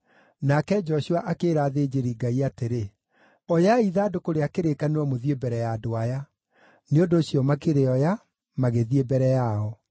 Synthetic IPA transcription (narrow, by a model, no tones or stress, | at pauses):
nakɛd͡ʒɔɕuaʔakeːɾaːðeːd͡ʑeɾiɡaiateɾe | ɔjaiðaːdokoɾeakeɾekanewɔmoðiebɛɾɛjadoaja | neondoːɕiɔmakeɾeɔja | maɣeðiebɛɾɛjaɔ